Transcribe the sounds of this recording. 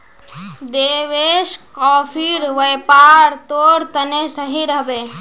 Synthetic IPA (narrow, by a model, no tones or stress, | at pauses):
d̪eːʋeːʃkɔːpʰiɾʋəjpaːɾt̪oːɾt̪ənesəɦiɾəɦbeː